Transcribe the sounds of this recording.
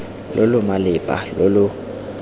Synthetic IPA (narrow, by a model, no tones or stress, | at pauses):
lʔolʊmalɪpʼa̰lolʊ